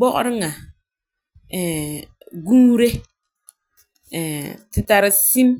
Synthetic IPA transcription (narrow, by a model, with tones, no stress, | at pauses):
bɔ˦ʔɾɪ˦ŋa˨ | ɛ˨ | ɡu˦ɾe˦ | ɛ˨tɪ˨ta˨ɾɪ˨si˦m